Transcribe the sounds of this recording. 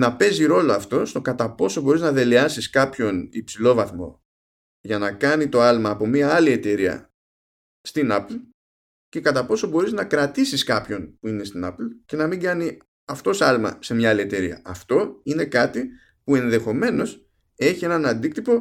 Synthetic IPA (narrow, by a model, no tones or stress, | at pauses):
nɐpe̞ziɾo̞lo̞ɐft̪o̞st̪o̞kɐt̪ɐpo̞so̞bo̞ɾiznɐðe̞leɐsiskɐpço̞nipsilo̞vɐθmo̞̰ | ʝɐnɐkɐnit̪o̞ɐlmɐːpo̞miɐɐlie̞t̪e̞ɾiɐ̰ | st̪inɐpl | ce̞kɐt̪ɐpo̞sobo̞ɾiznɐkɾɐt̪isiskɐpço̞npuine̞st̪inɐ̰plce̞nɐmiŋɡɐni | ɐft̪o̞sɐlmɐ̰se̞mɲɐɐlie̞t̪e̞ɾḭɐ̰ɐft̪o̞ine̞kɐt̪i | pue̞nðe̞xo̞me̞no̞s | e̞çie̞nɐnɐnd̪ik̚t̪ipo̞